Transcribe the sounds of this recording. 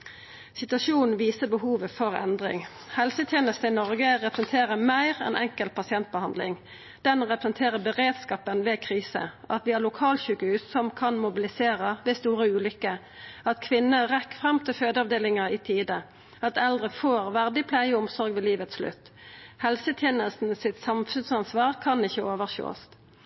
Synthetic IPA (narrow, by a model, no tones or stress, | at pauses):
sɪt̪ʉɑʃuːnn̩ʋiːsəbəhuːʋəfɔʁɛ̰nd̪ʁɪ̰ŋ | hɛlsət̪ʰjeːnəst̪əɪnɔʁɡəʁɛpɾəsɛnt̪ʰeːʁəmæɪʁɛ̰nʔɛŋkəlt̪̚pʰɑsɪɛnt̪̚bəhɑnd̪lɪ̰ŋ | d̪̥ɛnʁɛpɾʁəsnt̪ʰeːʁəbəʁeːd̪skɑːpənʋeːkʰʁiːsə̰ʔɑt̪ʋɪːælʊkʰɑːlçʉkəhʉːsːɔmkʰɑnmʊbɪlɪseːʁəʋeːst̪uːʁəʉːlʏkːə | ɑt̪kʰʋɪnːəʁɛkːfʁɑmt̪ʰɪlføːd̪əɑʋd̪eːlɪŋəɪt̪ʰiːd̪ə | ɑt̪ɛld̪ʁəfoːʁʋæʁd̪ɪpʰlæɪəɔmsɔʁɡʋɛliːʋət̪sʂlʉ̰t̪ː | hɛlsət̪ʰjeːnəlst̪n̩sɪt̪sɑmfʉnsɑnsʋɑːʁkʰɑnɪçəoːʋəʁço̰ːst̪